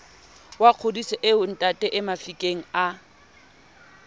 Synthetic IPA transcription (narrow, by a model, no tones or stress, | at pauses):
waq͡χʰʊdisɛʔɪʊn̩tʼatʼɛʔɪmafikʼeŋ̩a